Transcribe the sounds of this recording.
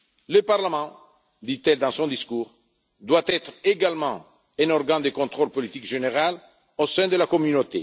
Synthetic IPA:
ləpaʁlamɑ̃ | d̪it̪ɛld̪ɑ̃sɔ̃d̪iskuːʁ | d̪wat̪ɛt̪ʁeɡalmɑ̃ | ɛ̃nɔʁɡãd̪əkɔ̃nt̪χolpɔlit̪ikʒeneʁal | osɛ̃d̪əlakɔmynot̪e

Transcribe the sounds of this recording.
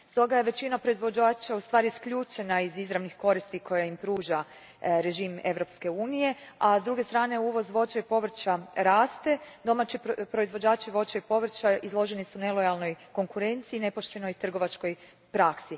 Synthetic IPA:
st̪o̞ɡaje̞ʋe̞t͡ɕinapɾo̞izʋo̞d͡ʑaːt͡ʃaust̪ʋaːɾiskʎʲuːt͡ʃe̞naizizɾaʋnixko̞ɾist̪ikʰo̞jaimpɾuːʒa | ɾe̞ʒiːme̞ʋɾo̞pske̞uːnije̞azd̪ɾuɡe̞st̪ɾaːne̞uːʋo̞zʋo̞t͡ʃaipo̞ʋr̩t͡ʃaɾaːst̪e̞d̪o̞mat͡ʃipɾo̞izʋo̞d͡ʑaːt͡ʃiʋo̞t͡ʃaipo̞ʋr̩t͡ʃaizlˠo̞ʒe̞nisune̞lˠo̞jalno̞jko̞ŋkuɾe̞nt̪siːne̞po̞ʃt̪e̞no̞jt̪r̩ɡo̞ʋat͡ʃko̞j | pɾaksi

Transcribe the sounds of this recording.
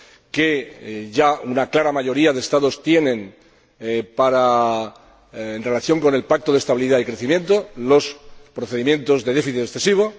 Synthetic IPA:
keʝaunaklaɾamaʝo̞ɾiað̞est̪aðo̞st̪je̞nẽ̞n | paɾa | enre̞laθjo̞ŋko̞ne̞lpak̚t̪o̞ð̞est̪aβiliðaikɾe̞θimjẽ̞nt̪o̞lo̞spɾoθe̞ðimjẽ̞nt̪o̞zðe̞ð̞e̞fiθiesθe̞siβ̞o̞

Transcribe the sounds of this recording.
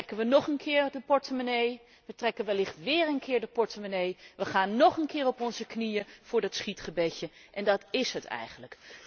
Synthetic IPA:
rɛkənʋənɔχənkʰɪːɹdəpɔɹtəmənej | ʋətrɛkənʋəlɪχtʋɪːɹənkɪːɹdəpɔɹtəmənejʋəχaːnːɔχənkɪːrɔpɔnzəknijəv̥ʊːɹdɑtsχitχəbɛcəʔɛndɑtɪsɦətɛ̰jχənlək

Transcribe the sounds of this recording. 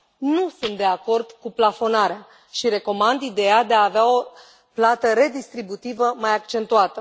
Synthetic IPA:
nusunt̪̚d̪e̞ako̞rd̪̥kuplafo̞naɾea | ʃiɾe̞ko̞mand̪id̪e̞jad̪e̞aːveao̞ | plat̪əɾe̞d̪ist̪ɾibut̪ivəmajakt͡ʃe̞nt̪uat̪ə

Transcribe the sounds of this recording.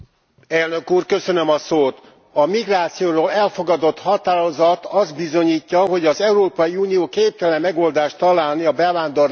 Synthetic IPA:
ɛlnø̞kuːrkø̞sø̞nø̞mɒsoːt̪ | ɒmiɡraːt̪sijoːɾoːlɛlfo̞ɡɒd̪o̞t̪hɒt̪aːɾo̞zɒt̪ɒzd̪̚bizo̞ɲiːcːɒɦo̞ɟɒzɛuɾoːpɒjiuːnijoːkeːp̚t̪ɛlɛmːɛɡo̞ld̪aːʃt̪t̪ːɒlaːlniɒbɛvaːnd̪o̞r

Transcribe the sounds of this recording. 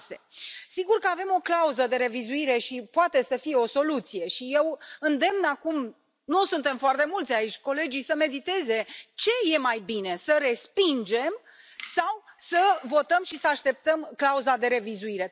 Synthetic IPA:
se̞siɡurkəave̞mo̞klauzəd̪e̞ɾe̞vizuiɾe̞ʃipoat̪e̞səfije̞o̞so̞lut̪sije̞ʃije̞wɨnd̪e̞mnakum | nusunt̪e̞mfoart̪e̞mult̪sʲait͡ʃʲko̞le̞d͡ʒijsəme̞d̪it̪e̞ze̞t͡ʃe̞je̞majbine̞səɾe̞spind͡ʒe̞m | sawsəvo̞t̪əmʃisəaʃt̪e̞p̚t̪əmklauzad̪e̞ɾe̞vizuiɾe̞

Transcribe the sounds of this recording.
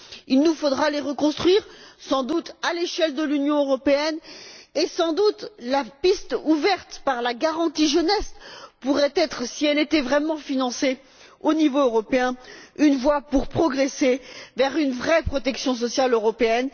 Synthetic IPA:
ilnufod̪ʁaleʁəkɔ̃st̪χɥiʁsɑ̃d̪ut̪aleʃɛld̪əlynjɔ̃øʁɔpeɛnesɑ̃d̪ut̪lapist̪uvɛʁt̪paʁlaɡaʁɑ̃t̪iʒənɛspuʁɛt̪ɛt̪χsiɛlet̪ɛvʁɛmɑ̃finɑ̃se | onivoøʁɔpeɛ̃ynvwapuʁpχɔɡʁesevɛʁynvʁɛpχɔt̪ɛksjɔ̃s̬ɔsjaløʁɔpeɛn

